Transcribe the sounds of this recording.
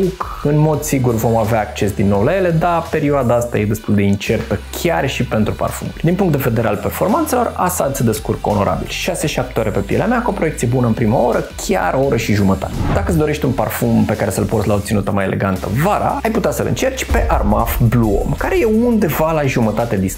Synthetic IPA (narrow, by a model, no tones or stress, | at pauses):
uk | ɨnmo̞d̪siɡurvo̞maveaːkt͡ʃe̞sd̪inːo̞wlajele̞d̪ape̞ɾiuoad̪aast̪a̰je̞d̪e̞st̪uld̪e̞int͡ʃe̞rt̪əkʲʰarʃipe̞nt̪ɾupa̰rfṵnṵlʲd̪inpuŋkt̪d̪eve̞d̪e̞ɾealpe̞rfo̞rmant̪se̞lo̞ra̰sad̪səd̪e̞skurko̞̰no̞ɾʔa̰bḭlʃase̞ʃap̚t̪eooɾepe̞pijelḛameakuo̞pɾo̞je̞kt̪sije̞bunəɨnpɾimao̞ɾəkʲʰa̰ɾo̞ɾəʃiʒumət̪a̰t̪ed̪akəsd̪o̞ɾe̞ʃt̪ʲunparfumpe̞kaɾe̞səlportslaob̚t̪sinut̪əmajelʔe̞̰ɡant̪ə̰vaɾa̰ajput̪easəlɨ̰nt͡ʃe̞rt͡ʃʲpe̞ʔarmafbluo̰mkaɾe̞je̞und̪e̞valaʒumət̪at̪ed̪is